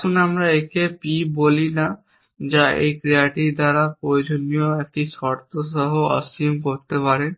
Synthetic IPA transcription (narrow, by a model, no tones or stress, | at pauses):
unamɾaekʰepibolina | d͡ʑaḛjkɾiaʈiɾd̪aɾapɾojod͡ʑonijoek̚ʈisɔɾt̪ʰoʃɔɦoɔ̰simkoɾt̪epaɾen